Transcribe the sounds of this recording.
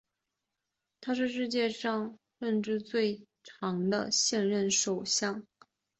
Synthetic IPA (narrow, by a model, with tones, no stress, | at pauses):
t̪ʰa˥ʂ̬ɻ̩˥˧ʂ̬ɻ̩˥˧t͡ɕjɛ˥˧ʂɑ˥˧ŋ | ʂə˥˧nʈ͡ʂɻ̩˥˧t͡swe˥˩ɪ | ʈ͡ʂʰɑ˧˥ŋd̪ə̰˧ɕjɛ˥˧nɻə˥˩nʂo˨˩ʊɕjɑ˥˩ŋ